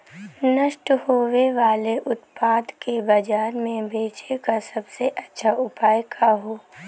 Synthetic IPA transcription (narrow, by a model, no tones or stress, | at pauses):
nəʃʈhoːʋeʋaːleʔʊt̪paːd̪kebɐd͡ʒaːɾmẽbʱeːt͡ʃekasɐbseʔɐtːʃʰaʊpaːjkʰaɦoː